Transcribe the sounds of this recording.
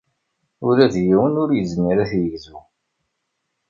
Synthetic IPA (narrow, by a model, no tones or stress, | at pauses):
ʊɾæðjiwənʊɾjəzmiɾæθjizu